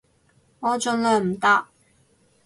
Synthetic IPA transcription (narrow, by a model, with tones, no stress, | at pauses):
ŋɔː˨˧t͡ʃɵ˨nlœː˨˩ŋm̩˨˩t̪a˧˥k̚